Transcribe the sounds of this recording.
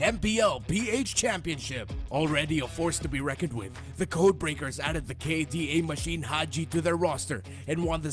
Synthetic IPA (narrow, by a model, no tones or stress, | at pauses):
ɛ̃mpiɛlˠpieɪt͡ʃt͡ʃʰæ̃mpiɨ̃nʃɪpɔl̩ˠɹɛɾiəfɔɹstʰɨbiɹɛkɨ̃nd̚wɪ̰ð | ðɨkʰoʊd̚bɹeɪkə˞zæɾɨd̪̚ðɨkʰeɪdieɪmɨʃĩnɦad͡ʒiɾɨðə˞ɹɔstə̰˞ | ɨ̃nwʌ̃nðɨ